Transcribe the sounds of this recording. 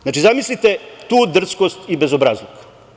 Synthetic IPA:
znaːt͡ʃizamislit̪et̪uːd̪r̩t̪skost̪ibezobɾazok

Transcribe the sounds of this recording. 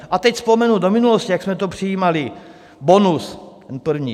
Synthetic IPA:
ʔat̪ɛcspomɛnudomɪnuloscijaksmɛt̪opr̝̥ɪjiːmalɪ | bonust̪ɛnpr̩vɲiː

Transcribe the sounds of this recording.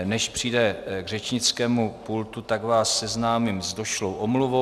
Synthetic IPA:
nɛʃpr̝̥ijdɛɡr̝ɛt͡ʃɲɪt͡skɛːmupult̪ut̪aɡvaːsːɛznaːmimzdo̞ʃlowʔomluvo

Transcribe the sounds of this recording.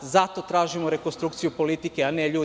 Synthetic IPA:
zat̪o̞t̪ɾaːʒimoɾe̞konst̪ɾukt̪sijupo̞lit̪ikeaneʎuː

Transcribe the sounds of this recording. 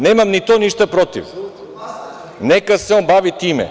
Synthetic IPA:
nɛmamnit̪oniʃt̪apɾot̪ḭf | nɛkasɛonbaʋit̪imɛ̰

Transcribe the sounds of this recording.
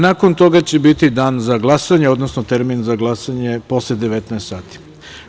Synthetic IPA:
nako̞nt̪o̞ɡat͡ɕe̞bit̪id̪aːnzaɡlˠasaɲeo̞d̪nosnot̪eɾminzaɡlˠasaɲe̞po̞sled̪eʋet̪nɛest̪saːt̪i̥

